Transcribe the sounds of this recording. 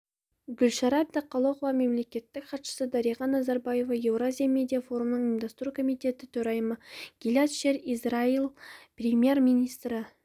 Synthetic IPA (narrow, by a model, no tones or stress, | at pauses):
ɡʲʏlʃɑɾɑp̚d̪ɪqʰːɑlˠoqlˠɑme̞mle̞kʲe̞t̪ːɪkχɑt̪ʃə̥səd̪ɑɾijʁɑnːɑzɑɾbɑje̞vɑje̞wrazʲijamʲe̞d̪ʲijafo̞ɾumənəɴind̪ɑst̪ɾukʰo̞mijt̪e̞t̪ɪt̪ʰɵɾɑjməɡ̥ʲilʲɑt̪ʃeɾizrailˠprʲemʲje̞rminijst̪rə